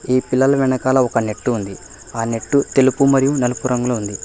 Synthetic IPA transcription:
iːpilːɐlɐʋɛɳɐkaːlɐɔkɐne̞ʈːuːnd̪i | aːne̞ʈːut̪e̞lupumɐɾijunelɐpuɾɐŋɡulɐund̪i

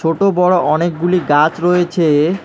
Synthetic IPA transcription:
oʈobɔɽoʔɔnek̚ɡuliɡat͡ɕɾoet͡ɕʰe

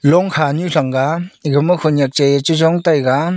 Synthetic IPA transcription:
lɔŋkʰaɲuɬaŋɡaɡɯmɯhʰunjak̚t͡ʃejt͡ʃɯzɔŋtajɡa

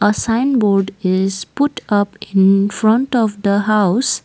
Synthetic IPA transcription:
əsãɪ̃nbɔɾɖɪzpʊʈʌpɪ̃nfɾʌ̃ɳʈɔfd̪əɦaʊs

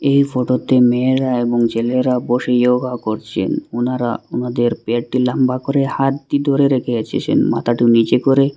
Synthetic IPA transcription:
ejfoʈot̪emeɾaeboŋd͡ʑeleɾaboʃejoɡakoɾt͡ɕʰḛnunaɾa̰unad̪eɾpeaʈilambakoɾehat̪̚d̪id̪ʱoɾeɾekʰeet͡ɕʰḛt͡ɕʰḛnma̰t̪ʰaʈinid͡ʑekoɾe

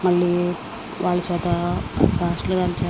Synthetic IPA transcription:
mɐɭːiː | ʋaːɭːɐt͡ʃɛːt̪afaːsʈloɡaːlɐt͡ʃɛː

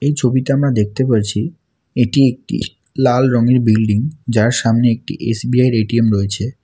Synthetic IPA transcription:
ejt͡ɕʰobit̪eamɾad̪ek̚t̪epəɾt͡ɕʰi | eʈiek̚ʈḭ | lalɾɔŋeɾbilɖiŋd͡ʑaɾʃamneek̚ʈḭʔesbiajɾeʈiemɾɔet͡ɕʰe

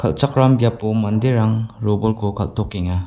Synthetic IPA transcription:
kʰɐ̰lt͡ʃak̚ɾambjapːumɐnd̪eɾaŋɾobɔlkʰokʰa̰lt̪ʰɔkːeŋa

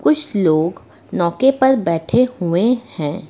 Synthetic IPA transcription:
kʊt͡ʃʰloːɡ | nɔːkepɐɾbɛːʈʰehuehɛ̃ː

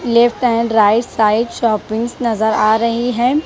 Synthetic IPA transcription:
leːfʈɛ̃ːɳɖɾaːɪʈsaːɪʈʃɔːpɪ̃ŋɡsnɐzəɾaːɾɐɦiɦɛ̃ː

